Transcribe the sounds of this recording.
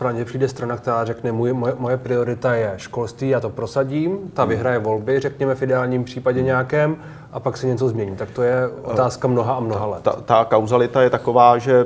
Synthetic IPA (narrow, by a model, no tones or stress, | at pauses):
pɾaɲɛpr̝̥iːdɛst̪ɾanakt̪ɛɾaːrɛknɛmujmojɛmojɛpɾɪo̞ɾɪt̪ajɛʃko̞lst̪viːjaːt̪opɾo̞saɟiːmt̪avɪɦɾajɛvo̞lbɪrɛkɲɛmɛfʔɪdɛaːlɲiːmpr̝̥iːpaɟɛɲɛjakɛːm | ʔapaksɛɲɛt͡so̞zmɲɛɲiːt̪ak̚t̪ojɛʔot̪aːskamno̞ɦaamnoɦalɛt̪t̪akawzalɪt̪ajɛt̪akovaːʒɛ